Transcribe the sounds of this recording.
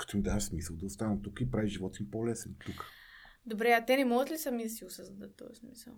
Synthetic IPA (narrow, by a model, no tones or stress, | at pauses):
kə̥t̪oimd̪asmisəlˠd̪ɐʊst̪anəmt̪ukəipɾaviʒivɔt̪impɔlɛsɛnt̪ukə̥ | d̪obɾɛat̪ɛnɛmɔɡət̪lisɐmid̪ɐsiʊsəzd̪d̪ət̪ːɔ̰jsmisə̰lˠ